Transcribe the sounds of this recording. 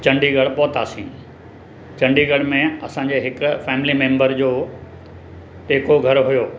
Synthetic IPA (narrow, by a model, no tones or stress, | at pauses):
t͡ɕɐ̃ɳɖiɡɐɽ̤pɔːt̪aːsĩː | t͡ɕɐ̃ɳɖiɡɐɽ̤mẽɐsãːɲd͡ʑeɦɪkfɛːmɪlimẽːmbəɾd͡ʑoː | ʈeːkoɡʱɐɾɦʊjoː